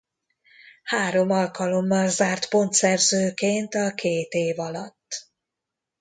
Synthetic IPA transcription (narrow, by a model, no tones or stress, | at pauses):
haːɾo̞mɒlkɒlo̞mːɒlzaːrt̪po̞nt̪sɛrzøːkeːnt̪ɒkʰeːt̪eːvɒlɒt̪ː